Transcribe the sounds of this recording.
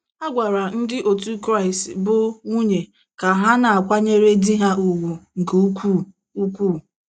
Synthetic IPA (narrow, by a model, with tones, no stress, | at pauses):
a˦ɡʷa˨ɾa˨n̩˦dɪ˦ʔo˨tu˦kɾa˦ɪ˨stbʊ˦ŋu˦ɲe˨ | ka˨ɦa˦na˨a˨kʷa˦ɲe˦ɾe˦di˦ɦa˦ʔu˨ɡʷu˨ŋ̩˨kku˦˨ | u˦kʷuː˦˨